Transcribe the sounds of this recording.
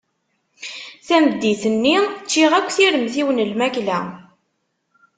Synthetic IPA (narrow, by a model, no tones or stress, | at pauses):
θæmd̪ːiθənːit͡ʃːiʁækʷːθiɾəmθiwənəlmæklæ